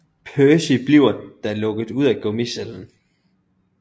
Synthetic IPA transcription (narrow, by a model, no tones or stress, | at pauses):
pʰøːsib̥liʊ̰ɐnd̥ɑɐlɔ̽ɡ̥ð̩ˠuð̰ˠæɡ̥ɔmiseln̩